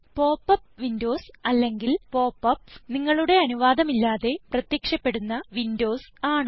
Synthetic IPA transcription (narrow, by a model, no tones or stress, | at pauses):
po̞ːpːɐp̚ʋindo̞ːsɐlːe̞ŋɡilpo̞ːpːɐp̚niŋːɐɭuɽe̞ɐnuʋaːd̪ɐmilːaːðe̞prɐt̪jɐkʂɐpːe̞ɽunːɐʋindo̞ːsaːɳɨ